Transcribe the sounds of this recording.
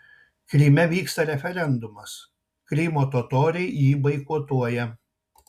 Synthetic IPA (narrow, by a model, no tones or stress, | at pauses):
kɾʲiːmʲɛʋʲiːkst̪ɐɾʲɛfʲɛɾʲɛnd̪ʊmɐs | kɾʲiːmoːt̪oːt̪oːɾʲɛɪjiːbɐɪkuːt̪uɔjɛ